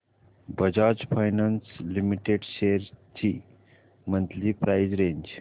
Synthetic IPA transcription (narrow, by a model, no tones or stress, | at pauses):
bəd͡ʒaːd͡ʒpʰajnanslimiʈeɖʃeɾt̪ʰi | mənt̪ʰlipɾaːjzɾẽːnd͡ʒ